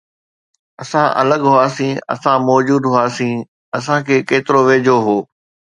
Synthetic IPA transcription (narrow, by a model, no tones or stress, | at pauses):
ɐsãʔɐ̰ləɡɦʊaːsĩːɐ̰sãmɔːd͡ʑuːd̪ɦʊaːsĩː | ɐs̬ãkʰeːkeːt̪ɪɾoʋeːd͡ʑʱoɦoː